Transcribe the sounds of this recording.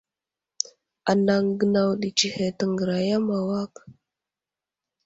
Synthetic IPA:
a˨na˨ŋɡə˨na˨wɗi˨t͡ʃi˨he˨tə˨ŋɡə˨ɾa˨ja˦ma˨wa˦k

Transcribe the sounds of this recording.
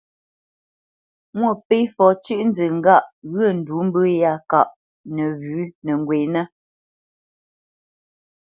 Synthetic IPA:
ŋwɔ˦˨pe˦fɔ˨˦t͡ʃʉ˦ʔn̩˦d͡zə˨ŋ̩˦ɡa˦˨ʔɣə˦˨n̩˨du˨˦m̩˦bə˦ja˦˨ka˦˨ʔ | nɛ˨βʉ˨˦nə˨ŋ˨ɡwe˨nɛ˦

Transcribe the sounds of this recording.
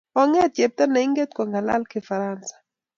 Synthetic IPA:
ɔ˦ŋɛ˦te˨p̚t̪a˦na˨i˦ŋɡɛ˦t̪̚kwa˨ŋɡa˨la̰˦lkɪ˦fa˨ɾansḁ˨

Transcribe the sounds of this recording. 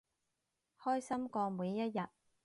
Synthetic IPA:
hɔː˥jsɐ˥mkɔː˧muː˨˧jːɐ˥t̚jɐ˨t̚

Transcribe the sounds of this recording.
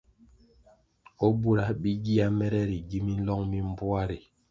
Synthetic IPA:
o˦bu˦ɾa˨˦bi˦ɡi˦a˦mɛ˦ɾɛ˦ɾi˨ɡi˦mi˦n̩˦lɔ˦ŋmi˦m˦bu˦a˦ɾi˨

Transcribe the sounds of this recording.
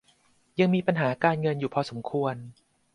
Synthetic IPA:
ja˧ŋmiː˧pa˧nɦaː˩˦kaː˧nŋɤ˧njuː˨˩pʰɔ˧so˩˦mkʰu˧ən

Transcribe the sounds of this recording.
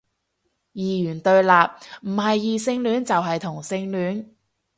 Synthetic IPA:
jiː˨jyː˨˩nt̪ɵ˧ɥlaː˨p̚m̩˨˩hɐ˨jːiː˨sɪ˧ŋlyː˨˥nt͡sɐ˨wɦɐ˨jt̪ʰʊ˨˩ŋsɪ˧ŋlyː˨˥n

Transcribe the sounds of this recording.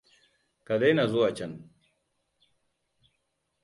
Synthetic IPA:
ka˨da˦jna˨zʊ˦wa˨t͡ʃɐ˦n

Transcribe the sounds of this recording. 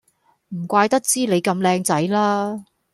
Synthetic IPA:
m̩˨˩kʷaː˧jt̪ɐ˥k̚t͡siː˥le˨˧jkɐ˧mlɛː˧ŋt͡sɐ˨˥jlaː˥

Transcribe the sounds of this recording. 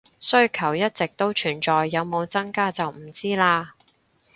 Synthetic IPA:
sɵ˥ɥkʰɐ˨˩wjɐ˥t̚t͡sɪ˨k̚t̪o˥wt͡ʃʰyː˨˩nt͡sɔː˨jːɐ˨˧wmo˨˧wt͡sɐ˥ŋkaː˥t͡sɐ˨wm̩˨˩t͡siː˥laː˧

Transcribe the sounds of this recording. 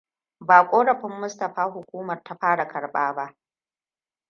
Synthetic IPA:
baː˨kʷʼoː˦ɽɐ˨ɸɪ˦mːʊ˦stɐ˨ɸaː˦ɦʊ˨kʷuː˦mɐ˨rta˦ɸaː˦ɽa˨kɐ˨ɽɓaː˦ba˦ʔ

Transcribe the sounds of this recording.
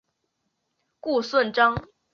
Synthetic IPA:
ku˥˧swə˥˩nʈ͡ʂɑ˥ŋ

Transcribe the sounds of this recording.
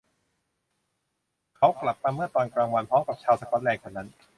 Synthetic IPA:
kʰa˦˥wkla˨˩p̚t̪a˧mːɯ˥˩ɐt̪ɔː˧nkɾaː˧ŋwa˧npʰɔ˦˥wka˨˩p̚t͡ɕʰaː˧wsa˧kɔ˦˥n̚lɛː˧ŋkʰɔː˧˩na˦˥n

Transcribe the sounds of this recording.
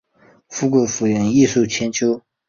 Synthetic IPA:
fu˥ku˨˥˩fu˨˩ɥɛ˥˧˩ni˥˧ʂu˥˩t͡ɕʰjɛ˧˥nt͡ɕʰjo˥ʊ

